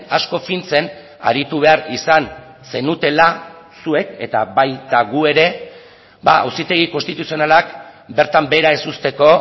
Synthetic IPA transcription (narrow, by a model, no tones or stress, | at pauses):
asko̞fint͡se̞n | a̰ɾit̪uβ̞e̞aɾisan | se̞nut̪e̞lasue̞ke̞t̪a̰bajt̪aɣue̞ɾe̞ | ba̰a̰wsit̪e̞ɣ̞iko̞nst̪it̪usio̞nalakbe̞ɾt̪ambe̞ɾae̞sust̪e̞ko̞